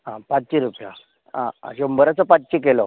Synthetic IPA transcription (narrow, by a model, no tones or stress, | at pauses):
ɦãpat͡st͡ɕiɾupja̰ | ã̰ɕombəɾat͡səpat͡s̚t͡ɕikelɔ̰